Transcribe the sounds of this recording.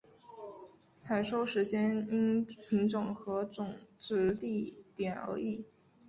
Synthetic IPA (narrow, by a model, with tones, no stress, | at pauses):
t͡sʰa˨˩nʂo˥ʊʂɻ̩˧˥t͡ɕjɛ˥ni˥npʰi˧˥ŋʈ͡ʂʊ˨˩ŋxɤ˧˥ʈ͡ʂʊ˨˩ŋʈ͡ʂɻ̩˧˥t̪i˥˩t̪jɛ˨˩nə̰˧˥i˥˩